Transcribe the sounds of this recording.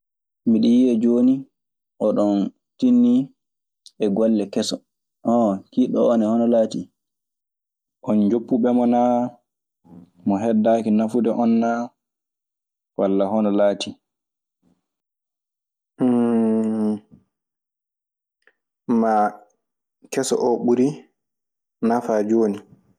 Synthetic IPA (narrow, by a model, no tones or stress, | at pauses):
miɗijiɛd͡ʒoːni | ʔɔɗɔn | tinːi | ɛɡɔlːɛkɛsɔ | ʔɔkiɗɔɔnɛhɔnɔlaːtḭ | ʔɔnd͡ʒopːuɓɛmɔna | mɔɦɛdːaːkinafudɛʔɔnːa | walːahɔnɔlaːtʰi | ma | kɛsɔ̰ʔɔɓuɾi | nafad͡ʒoːni